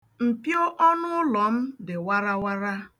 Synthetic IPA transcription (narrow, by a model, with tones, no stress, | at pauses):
m̩˨pjo˦ʔɔ˦nʊ˦ʊ˦lɔ˨m̩˦dɪ˨wa˦ɾa˦wa˦ɾa˦